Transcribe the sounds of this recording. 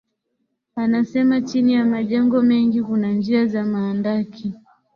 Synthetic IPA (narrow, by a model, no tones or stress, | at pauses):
anasɛmat͡ʃinijamaʄɛŋɡɔmɛŋɡikunand͡ʒiazamaːndakʰi